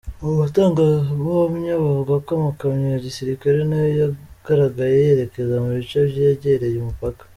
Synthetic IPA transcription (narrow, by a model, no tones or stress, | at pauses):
oβutoːŋɡaβoomuɲaβavuɡakomakaɲiaɟisiɾikaɾenajojaɡ̥aɾaɡajeeɾe̞kezamuβit͡ʃaβjeɟeɾejumupakḁ